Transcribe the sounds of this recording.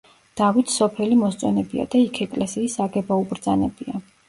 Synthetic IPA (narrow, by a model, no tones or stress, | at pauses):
d̪̥avit̪ʰsɔpʰɛlimɔst̪sʼɔnɛbia̰d̪aikʰɛkʼlɛsiːsaɡɛbaubɾd̪zanɛbia